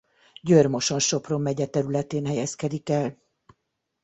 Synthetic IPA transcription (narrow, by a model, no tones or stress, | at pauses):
ɟørmo̞ʃo̞nʃo̞pro̞mːɛɟɛt̪ɛɾylɛt̪eːnɦɛjɛskɛd̪ikɛl